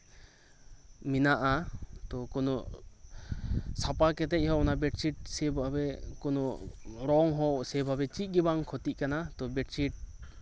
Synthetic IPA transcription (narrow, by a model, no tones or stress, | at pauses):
minaʔat̪ɔkɔnɔʔ | sapakɛt̪ɛc̚ˀhɔɔnabɛʈt͡ʃiʈ̚sɛbabɛkɔnɔʔɾɔŋɦɔsɛbʱabɛt͡ʃic̪̚ˀɡibaŋkʰɔt̪iʔ̚kanat̪ɔbɛʈt͡ʃiʈ̚